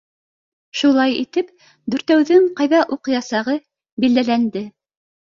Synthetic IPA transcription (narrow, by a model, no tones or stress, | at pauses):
ʃulˠɑjḭt̪ɘp | d̪ʉɾt̪æwðɘɴqɑjðɑʔuqɤ̆jɑsɑʁɤ | bild̪ælænd̪ɘ